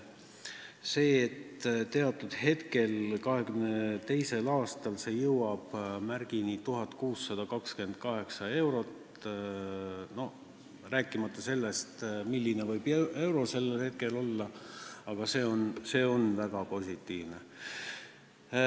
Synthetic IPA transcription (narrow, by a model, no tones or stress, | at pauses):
se̞ːt̪t̪e̞ɑt̪ːˑud̪̥he̞t̪ke̞lkɑɦe̞kymnet̪e̞jse̞lɑːst̪ɑlse̞ːjɤwɑb̥mærɡ̥init̪uɦɑt̪kuːsːɑd̪̥ɑkɑkske̞nd̪̥̚kɑɦe̞ksɑe̞wɾo̞t̪ | no̞h | ræːkːˑimɑt̪ˑːɑse̞lːe̞st̪milʲːine̞vɤjb̥e̞wɾo̞se̞lːelhe̞t̪̚ke̞lo̞lːɑɑɡ̥ɑseːonse̞ːo̞nvæɡ̥ɑpo̞sʲit̪ːˑiːvne̞